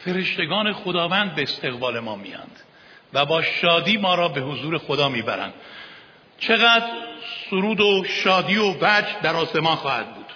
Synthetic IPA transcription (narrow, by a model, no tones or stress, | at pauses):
fe̞ɾe̞ʃt̪e̞ɡɒːne̞xod̪ɒːvænd̪̚beːst̪e̞ɣbɒːle̞mɒːmḭjɒ̰nd̪̥ | væbɒːʃɒːd̪iːmɒːɾɒːbe̞ɦozuːɾe̞xod̪ɒːmiːbæ̰ɾæ̰nd̪̥ | t͡ʃʰe̞ɣæːd̪ɾsoɾuːd̪oʃɒːd̪iːovæd͡ʒd̪æɾɒːse̞mɒːnxɒːhæ̰d̪̚buːd̪̥